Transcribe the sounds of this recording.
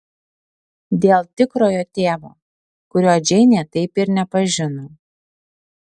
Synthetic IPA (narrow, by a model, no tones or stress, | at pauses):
d̪ʲeːlˠt̪ʲɪkɾoːjoːt̪ʲeːʋoː | kʊɾʲoːd͡ʒʲɛɪnʲeːt̪ɐɪpɪɾnʲɛpɐʒʲɪnoː